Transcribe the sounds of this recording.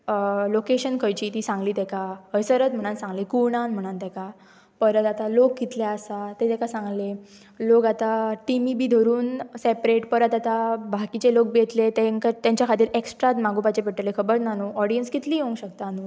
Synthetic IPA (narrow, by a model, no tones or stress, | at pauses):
lokeɕənkʰəjt͡ɕiːt̪iːsãŋɡliːt̪ɛkaəjsəɾət̪m̤əɽ̃ansãŋɡlekuɽ̃anm̤əɽ̃ant̪ɛka | pəɾət̪at̪alokɡit̪laəsat̪et̪ɛkasãŋɡle | lokat̪aʈimibiːd̪ʱəɾuːnsepɾeʈpəɾət̪at̪abʱakit͡ɕelok̚bet̪let̪eŋkət̪jãɲt͡ɕjakʰat̪iːɾeksʈɾat̪maɡʱũpat͡ɕepiʈəlekʰəbəɾnanuɔɽijənskit̪liːɦoũŋɡɕəkt̪anu